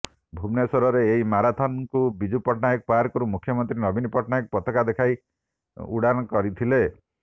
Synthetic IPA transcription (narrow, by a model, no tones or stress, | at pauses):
bʱubnesɔɾɔɾeːimaɾat̪ʰɔnŋkubid͡ʒupɔʈnajɔk̚paɾkɔɾumukʰːjɔmɔnt̪ɾinɔbinpɔʈnajɔk̚pɔt̪ɔkad̪ekʰaj | ṵɽañɔkɔɾit̪ʰile